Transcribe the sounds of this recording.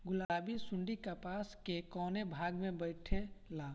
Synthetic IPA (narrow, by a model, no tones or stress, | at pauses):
ɡʊlabisʊ̃ɳɖikapaːskekɔːnebʱaːɡmẽbəɪʈʰelaː